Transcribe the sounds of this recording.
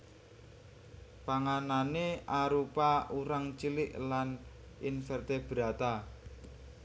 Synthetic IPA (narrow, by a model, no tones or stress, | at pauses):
paŋananeaɾupauɾaŋt͡ʃilɪʔlan | infɛrt̪eb̥ɾa̤t̪a